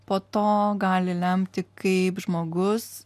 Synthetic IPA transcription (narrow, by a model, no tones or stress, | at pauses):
poːt̪oːɡɑːlʲɪlʲɛmʲt̪ʲɪkɐɪpʒmoːɡʊs